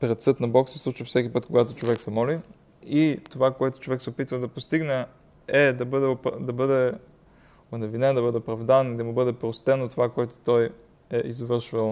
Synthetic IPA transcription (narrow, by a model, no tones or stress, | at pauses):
pɾɛt̪sɤt̪nɐbɔksɛslˠut͡ʃifsɛk̟ʲipɤt̪koɡat̪ot͡ʃovɛksɛmɔli | it̪ovakoɛt̪ʊ̥t͡ʃovɛksɛopit̪vəd̪ɐpost̪iɡnɛ | ɛd̪ɐbəd̪ɛopd̪ɐbɤd̪ɛ | onɛvinɛd̪ɐbɤd̪ɛopɾɐvd̪anid̪ɐmubɤd̪ɛpɾost̪ɛnot̪ovakoɛt̪o̥t̪ɔj | ɛʔizvɤɾʃvəlˠ